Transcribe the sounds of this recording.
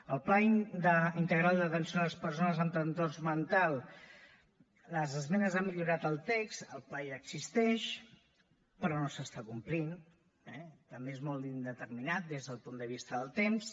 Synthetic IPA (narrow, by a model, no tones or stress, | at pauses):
əlˠplaid̪əint̪əɣɾalˠd̪ət̪ənsioləspəɾs̬onəzənt̪ɾənt̪orzmənt̪alˠ | ləzəzmɛnəzamiʎuɾat̪əlˠt̪ekst̪əlˠplaiəɡzist̪ɛʃ | pɾɔnosəst̪akumplin | ɛt̪əmbeezmolˠt̪ind̪ət̪əɾminat̪̚d̪ezðəlˠpund̪əβ̞ist̪əðəlˠt̪ems